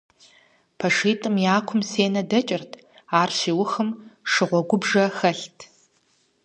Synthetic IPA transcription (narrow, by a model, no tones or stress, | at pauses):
pʰɐʂiːtʼɨmjaːkʷʰʊmseːnɐdɐt͡ʃʼɪrtʰ | aːrʃiːwʊxɨmʂɨʁʷɔɡʷʊbʐɐxɐɬtʰ